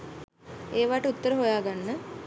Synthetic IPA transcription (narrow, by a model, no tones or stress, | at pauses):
eːʋaːʈəut̪ːəɾəɦojaːɡanːə